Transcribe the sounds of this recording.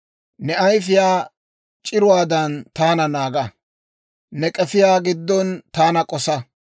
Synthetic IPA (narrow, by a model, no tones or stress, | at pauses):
nɛɐjfɪjaː | t͡ʃʼɪɾʊwaːd̪ɐnt̪aːnɐnaːɡɐ | nɛkʼɛfɪjaːɡɪd̪ːɔnt̪aːnɐkʼɔsɐ